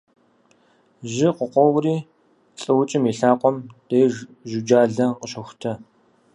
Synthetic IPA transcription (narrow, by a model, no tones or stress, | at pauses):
ʒɪqʷəqʷɔwriː | ɬʼɨwʊt͡ʃʼɪmiɬaːqʷɔmd̥eːʒʊd͡ʒaːɮɐqəɕɐxʷtʰɐ